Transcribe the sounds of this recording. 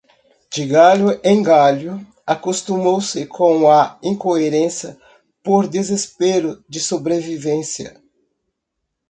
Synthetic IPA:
d͡ʒɪɡaljʊẽŋɡaljʊ | akost̪umowsɪkʰõw̃ɐĩŋkoeɾẽsjɐ | poɾd̪ezespeɾʊd͡ʒɪsobɾevivẽsjɐ̰

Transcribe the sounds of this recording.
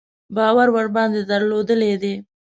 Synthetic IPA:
bɑwaɾwaɽbɑnd̪ed̪əɾlod̪əled̪e

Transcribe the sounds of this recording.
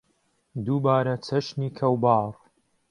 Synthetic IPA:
d̪uːbaːɾɐt͡sʰɐʃniːkʰɐwbɑːrˤ

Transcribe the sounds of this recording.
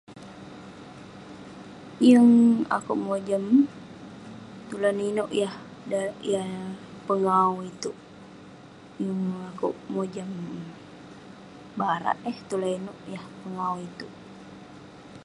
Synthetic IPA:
jəŋa̰kuʔmod͡ʒəm | t̪ulaninuʔjah | daʔjapəŋauit̪uʔ | jəŋakuʔmod͡ʒəm | baɾa̰ʔəht̪ulainuʔjahpəŋauit̪uʔ

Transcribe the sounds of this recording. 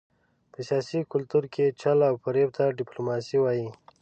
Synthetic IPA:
pəsijɑsikʊlt̪uɾkʰet͡ʃalawpaɾeb̚t̪aɖɪplomɑsiwɑji

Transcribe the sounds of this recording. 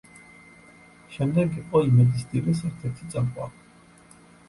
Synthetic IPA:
ʃɛmd̪ɛɡiqʼɔimɛd̪isd̪ilisɛɾt̪ʰɛɾt̪ʰit̪sʼamqʼwa

